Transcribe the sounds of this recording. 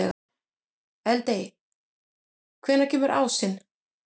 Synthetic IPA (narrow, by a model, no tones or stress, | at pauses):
ɛɣ | ɛlt̪ej | kʰvɛːnːacʰɛːmʏɾʔa̰ːwsɪn